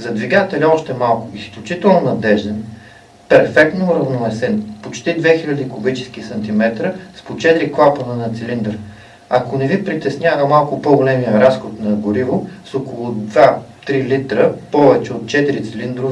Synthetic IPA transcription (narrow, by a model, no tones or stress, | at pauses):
zɐd̪viɡat̪ɛlʲɐɔʃt̪ɛmalˠkʊisklʲut͡ʃit̪ɛlˠnonɐd̪ɛʒd̪ɛn | pɛɾfɛk̚t̪noɾɐvnovɛsɛnpot͡ʃt̪id̪vɛxilʲɐd̪ikʊbit͡ʃɛ̥sk̟isɐnt̪imɛt̪ɾəspot͡ʃɛt̪ɾiklˠapənɛnɐt̪sɛlind̪əɾ | ɐkonɛvipɾit̪ɛsnʲjavəmalˠkʊpoɡolɛmijəɾasxot̪nɐɡoɾivosokolˠʊd̪vat̪ɾilit̪ɾəpɔvɛt͡ʃɛot̪̚t͡ʃɛt̪iɾit̪sɛlind̪ɾov